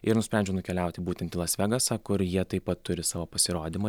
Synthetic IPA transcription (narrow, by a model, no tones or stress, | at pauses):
ɪɾnʊsʲpʲɛˑnʲd͡ʒʲɛʊnʊkʲɛlʲɛˑʊt̪ʲɪbuːt̪ʲɛnʲt̪ʲɪlˠɐsʲʋʲæɡɐsɐkʊɾjiɛt̪ɐɪpɐt̪tːʊɾʲɪsɑːʋoːpɐsʲɪɾoːd̪ʲɪmɐ